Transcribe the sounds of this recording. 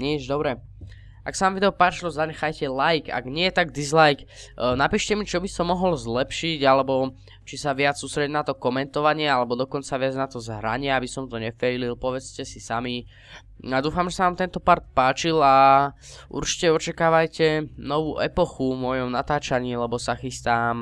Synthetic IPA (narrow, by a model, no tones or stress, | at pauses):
ɲɛʒd̪ɔbɾɛ | ʔa̰ksaʋaːmʋid̪ɛɔpaːt͡ʃilɔzaɲɛxajcɛlajka̰ɡɲɪɛjɛt̪aɡ̚d̪izlajknapiːʃcɛmit͡ʃɔbisɔmːɔɦɔlzlɛpʃiɟalɛbɔ | t͡ʃisaʋɪat͡ssust̪ɾɛɟnat̪ɔkɔmɛnt̪ɔʋaɲɪɛalɛbɔd̪ɔkɔnt͡saʋɪad͡znat̪ɔzɦɾa̰ɲɪɛabisɔmt̪ɔɲɛfɛlilpɔʋɛt͡scɛsisami | ad̪uːfamʒɛsaʋaːmt̪ɛnt̪ɔpaɾt̪̚paːt͡ʃila | ʔṵɾt͡ʃi̥cɛɔt͡ʃakaːʋajcɛnɔʋuːʔɛpɔxumɔjɔmnat̪aːt͡ʃaɲiːlɛbɔsaxist̪aːm